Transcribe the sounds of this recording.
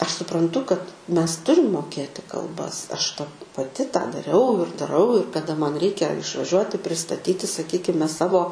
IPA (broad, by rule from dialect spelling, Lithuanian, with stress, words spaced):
ˈɐʃ sʊprɐnˈtʊ kɐt ˈmʲɛs ˈtʊrʲɪm moːˈkʲeːtʲɪ kɐlˠˈbɐs ˈɐʃ pɐ pɐˈtʲɪ tɑː dɐˈrʲɛʊ ɪr dɐˈrɐʊ ɪr kɐˈdɐ ˈmɐn ˈrʲɛɪkʲɛ ɪʃʋɐˈʒʲuɔtʲɪ pʲrʲɪstɐˈtʲiːtʲɪ sɐkʲˈiːkʲɪmʲɛ ˈsɑːʋoː